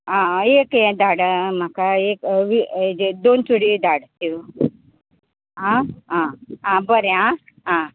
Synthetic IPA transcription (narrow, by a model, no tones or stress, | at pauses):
ãekɛ̃d̪aɽəm̤akaeːkʋid̪onsuɽid̪aɽt̪ju | ɦãɦããbəɾjã | ɦã